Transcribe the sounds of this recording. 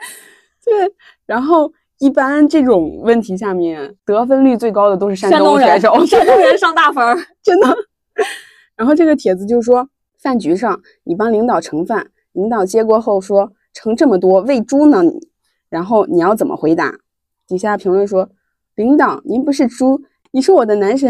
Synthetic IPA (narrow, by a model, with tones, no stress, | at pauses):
t̪we˥˩ɪ | ɻa˧˥nxo˥˩˧ʊ | i˥˩pa˥nʈ͡ʂɤ˥˩ʈ͡ʂʊ˨˩ŋwə˥˩nt̪ʰi˧˥ɕ̬ja˥˧mjɛ˥˩nt̪ɤ˧˥fə˥nly˥˧t͡swe˥˩ɪkɑ˥ʊd̪ə˨t̪o˥ʊʂɻ̩˥˧ʂ̬a˥˧nʊ˥ŋa˧˥ɪʂo˧˥ʊ˥˧˥ʂɑ˥˧ŋt̪a˥˩fa˥ʈ͡ʂə˥nd̪ə˨ | ɻa˧˥nxo˥˧ʊʈ͡ʂɤ˥˩ɡə˩t̪ʰjɛ˨˩d͡zɹ̩˧˥t͡ɕjo˥˧ʂʂwɔ˥ | fa˥˩nt͡ɕy˧˥ʂɑ˥˩ŋ | ni˨˩pɑ˥ŋli˧˥ŋt̪ɑ˨˩ʊʈ͡ʂʰɤ˧˥ŋfa˥˩n | li˧˥ŋt̪ɑ˨˩ʊt͡ɕjɛ˥kwɔ˥xo˥˩ʊʂwɔ˥ | ʈ͡ʂʰɤ˧˥ŋʈ͡ʂɤ˥˩mə˩t̪wɔ˥we˥˩ɪʈ͡ʂu˥nə˨nḭ˨˩˦ | ɻa˧˥nxo˥˩ʊni˨˩jɑ˥˩ʊt͡sə˨˩mʔə̰˦xwe˧˥ɪt̪a̰˧˥ | t̪i˨˩ɕja˥˩pʰi˧˥ŋlwə˥˩nʂwɔ˥ | li˧˥ŋt̪ɑ˨˩˦ʊni˧˥npu˧˥ʂɻ̩˥˩ʈ͡ʂu˥ | ni˨˩ʂɻ̩˧˥wɔ˨˩d̪ə˦na˧˥nʂ̬ə˧˥